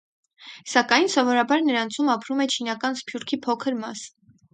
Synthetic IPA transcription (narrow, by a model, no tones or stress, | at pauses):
sɑkɑjnsɔvɔɾɑbɑɾnəɾɑnt͡sʰumɑpʰɾumɛt͡ʃʰinɑkɑnspʰjuɾkʰipʰɔkʰəɾmɑs